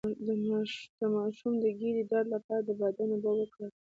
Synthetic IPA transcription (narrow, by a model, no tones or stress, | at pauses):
d̪d̪̥əmɑʃumd̪əɡiɾidɑɾlapɑɾad̪əbad̪anobawəkɽa